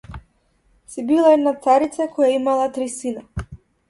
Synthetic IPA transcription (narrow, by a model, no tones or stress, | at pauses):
sibilˠaɛd̪nat̪saɾit̪sakɔjaimalˠat̪ɾisina